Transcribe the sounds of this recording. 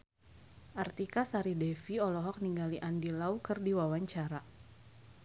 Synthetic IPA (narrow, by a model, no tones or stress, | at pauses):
ʔart̪ikasaɾidɛfiɔlɔɦɔk̚niŋɡaliʔandilaukɨrdiwawaɲt͡ʃaɾa